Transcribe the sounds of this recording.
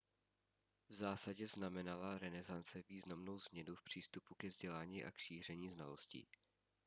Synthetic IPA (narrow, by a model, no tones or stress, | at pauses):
vzaːsaɟɛznamɛnalaɾɛnɛzant͡sɛviːznamno̞wzmɲɛnufpr̝̥iːst̪upukɛvzɟɛlaːɲiːʔa̰kʃiːr̝ɛɲiːznalo̞scḭː